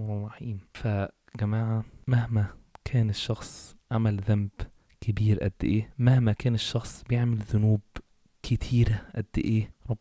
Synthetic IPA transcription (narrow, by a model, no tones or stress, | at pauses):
wɑħiːmfæ | ɡæmæːʕamæhmækʰæːneʃːɑxsˤʕamælðæmb | kebiːɾʔæ̰d̪ːḛʔeːmæhmækæːneʃːɑxsˤbejeʕmelðʊnuːb | kʰɪt̪ʰiːɾæʔæd̪ːḛʔeːɾˤɑbː